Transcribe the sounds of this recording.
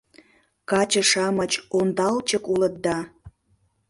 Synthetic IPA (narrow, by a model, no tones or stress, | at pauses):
kɑt͡ɕə̆ʃɑmət͡ɕond̪ɑlt͡ɕəkulət̪̚d̪ɑ